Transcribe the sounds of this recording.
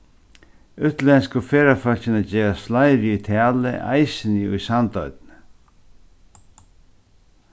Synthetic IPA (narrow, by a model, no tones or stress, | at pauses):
ʏt̪lɛnskʊfɛːɾafœl̥cɪnad͡ʑeːɾast̪flajɾɪujt̪ʰæːlɪ̰ʔa̰jsɪnɪʊ̰jsant̪ɔɥt̪nɪ